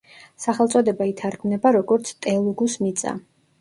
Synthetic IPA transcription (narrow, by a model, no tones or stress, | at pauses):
saχɛlˠt̪sʼɔd̪ɛbait̪ʰaɾɡmnɛbaɾɔɡɔɾt̪sʰt̪ʼɛlˠɔɡusmit̪sʼa̰